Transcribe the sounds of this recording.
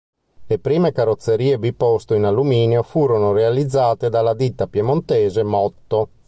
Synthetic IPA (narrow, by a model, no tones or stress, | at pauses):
lepɾiːmekarot̪sːeɾiːebipːɔst̪oinalːumiːnjofuːɾonorealid̪zːaːt̪ed̪alːad̪it̪ːapjemont̪ɛːzemɔt̪ːo